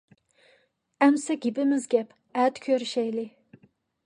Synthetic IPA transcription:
æmsɛɡʲɪbɪmɪzɡʲɛp | ɛt̪kʲʰøɾʃɛjlɪ

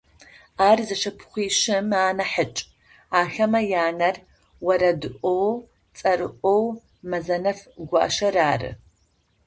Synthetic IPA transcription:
aːrzɐʂɐpʰχʷiːʃɪmaːnɐħət͡ʃʼ | aːxɐmɐjaːnɐr | wɐɾɐdɨʔʷʼow | t͡sʼɐrɨʔʷʼow | mɐzɐnɐfɡʷa̰ʔːʃɐraːrɨ̰

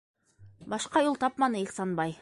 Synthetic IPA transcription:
bɑʃqɑulˠt̪ɑpmɑnɤilʲsɑnbɑj

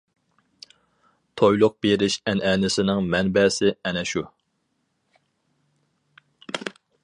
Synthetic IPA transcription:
t̪ʰojlˠʊq̚b̥eɾɪʃɛnɛːnɪsɪnɪŋmɛnbɛsɪɛnɛʃu

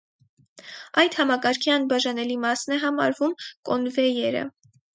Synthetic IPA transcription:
ɑjd̪hɑmɑkɑɾkʰiɑnbɑʒɑnɛlimɑsnɛɦɑmɑ̰ɾvumkɔnvɛjɛɾə̰

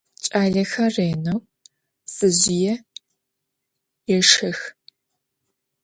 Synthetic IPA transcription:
t͡ʃʼaːɮɐxɐreːnɐw | sʼɨʑɪjɛ | jɛʂɐx

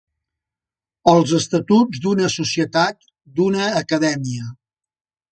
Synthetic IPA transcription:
əlˠzəst̪ət̪ud͡zzd̪unəsusiət̪at̪̚ | d̪unəːkəðɛmiə

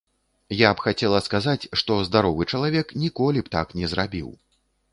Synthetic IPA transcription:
japxat͡sʲɛlˠɐskazat͡sʲʂt̪ɔzd̪aɾɔvɨt͡ʂɐlˠavʲɛknʲikɔlʲipt̪a̰knʲɛzɾabʲḭw

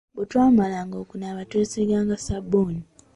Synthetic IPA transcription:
βutwaːmalaŋɡoːkunaːβatweːseɡaːŋɡasabːoːni

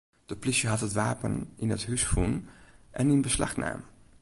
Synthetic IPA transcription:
d̥əplɪʃjəɦɑtɦətʋaːpənʔɪnətɦysxəvunʔɛnɪnbəslɑ̰χna̰ːmə

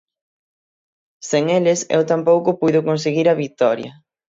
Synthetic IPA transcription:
seŋelɪsḛwt̪ampowkʊpujðʊkons̬eɣiɾɐβik̚t̪ɔɾjɐ

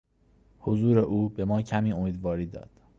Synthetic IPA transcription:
hozuːɾe̞ʔuːbe̞mɒːcʰæmiːomiːd̪vɒːɾiːd̪ɒ̰ːd̪̥

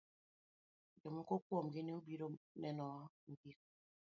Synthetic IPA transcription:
d͡ʒomŋ̩kokwɔm̩ɡineubiɾonɛnɔm̩bik̚

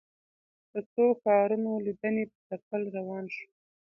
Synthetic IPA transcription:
d̪̥ət͡soxɑɾunolid̪ənepət̪apəlɾawɑnʃu̥

